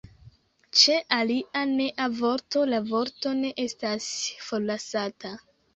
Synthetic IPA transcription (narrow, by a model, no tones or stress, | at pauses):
t͡ʃe̞ʔaliʔane̞ʔavo̞ɾto̞lavoɾto̞ne̞ʔestasfollːasata